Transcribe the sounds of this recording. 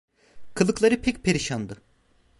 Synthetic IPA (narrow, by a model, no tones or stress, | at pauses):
kʰɯlˠɯklˠaɾɯpʰɛc̚pʰeɾiʃand̪ɯ